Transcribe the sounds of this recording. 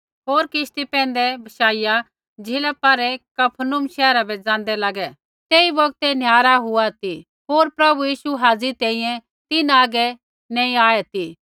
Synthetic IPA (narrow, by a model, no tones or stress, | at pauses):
ɦoːɾkɪʃt̪ipɛ̃ːnd̪ɛbʱɐʃaːija | d͡ʒɪlapaːɾɛkɐpʰənʊmʃɛːɾabɛd͡zãːn̆d̪ɛlaɡɛ | t̪eːibɐɡt̪ɛnjaːɾaɦʊat̪i | ɦoːɾpɾɐbujiːʃuɦaːd͡zit̪ɛ̃ːĩjɛ̃ | t̪ɪnaːɡɛ | nɛ̃ːĩaːɛt̪i